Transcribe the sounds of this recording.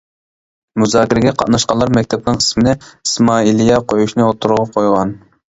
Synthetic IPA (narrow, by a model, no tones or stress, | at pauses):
muzɑːkʲɪɾɪɡʲɛqʰɑ̰t̪nɑʃqɑnlˠɑɾmɛk̚ʲt̪ʰɛp̚nɨŋʰə̥smɪnɪismɑːilˠijɑqʰojuʃnɨot̪ʰuɾʊʁɑqʰojʁɑn